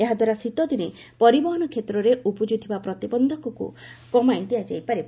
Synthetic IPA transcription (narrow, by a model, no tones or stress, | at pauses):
eɦad̪waɾasit̪ɔd̪ine | pɔɾibɔɦɔnɔkʰet̪ɾɔɾeʔupɔd͡ʒut̪ʰibapɾɔt̪ibɔnd̪ʱɔkɔkṵkɔmajd̪iad͡ʒa̰jpaɾe